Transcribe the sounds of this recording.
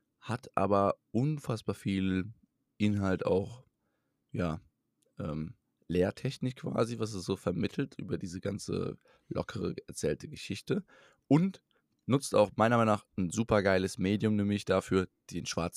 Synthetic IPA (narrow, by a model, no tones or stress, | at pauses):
hatʰʔa̰ːbɐʔʊnfasb̥aːɐfiːl | ʔɪnɦalta̰ʊx | jaː | ʔɛːm | leːɐtʰɛçnɪkkv̥a̰ːzivas̬ɛsz̥oːfɛɐmɪtʰl̩tʔy̰ːbɐdiːzəɡant͡sə̰ | lɔ̰kʰəʁə̰ɛɐt͡sɛːltəɡəʃɪçtə | ʔʊnt | nʊt͡sta̰ʊxmaɪnɐmaɪnaːχn̩zuːpɐɡaɪləsmeːdjʊmnɛːmɪçd̥afyːɐd̥eːnʃv̥aɐt͡s